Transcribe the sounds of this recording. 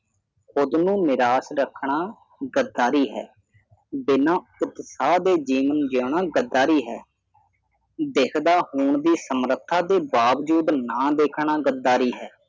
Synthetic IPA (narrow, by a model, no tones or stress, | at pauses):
xʊd̪nũːnɪɾaːsɾəkʰɳaː | ɡəd̪aːɾiːɦɛ̰ː | bɪnãːʊt̪ːsaːd̪eːd͡ʒiːʋənd͡ʒoːɳ̃aːɡəd̪aːɾiːɦɛ̰ː | d̪eːkʰd̪aːhuːɳd̪iːsəmɾət̪ʰːaːd̪eːbaːʋd͡ʒuːd̪nãːd̪eːkʰɳaːɡəd̪ːaːɾiːɦɛː